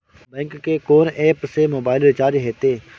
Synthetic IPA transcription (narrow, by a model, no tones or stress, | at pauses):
bɛ̃ːŋkːeːkoːneːpseːmoːbaːɪlɾɪt͡ʃaːɾd͡ʒɦeːt̪eː